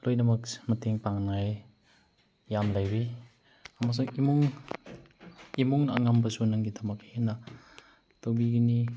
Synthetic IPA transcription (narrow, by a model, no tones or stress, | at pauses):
lojnamakmateŋpaŋnaj | jamlajbi | amas̬ɔŋimuŋ | imuŋna̰ŋambasunaŋɡitʰamakhena | tobiɡini